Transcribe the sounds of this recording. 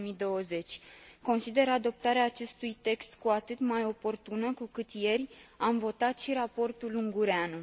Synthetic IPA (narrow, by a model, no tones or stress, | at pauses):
mid̪o̞əze̞t͡ʃʲko̞nsid̪e̞ɾad̪o̞p̚t̪aɾeaːt͡ʃe̞st̪ujt̪e̞kst̪kuat̪ɨt̪majo̞po̞rt̪unəkukɨt̪je̞rʲamvo̞t̪at̪ʃiɾapo̞rt̪uluŋɡuɾeanu